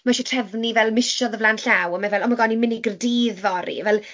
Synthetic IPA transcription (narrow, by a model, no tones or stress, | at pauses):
maʃɛtʰr̥ɛvnivɛlˠmɪʃɔðəvlˠanɬawəmavɛlˠɔmaɡɔnimɪniɡrdiːðvɔɾḭvɛlˠ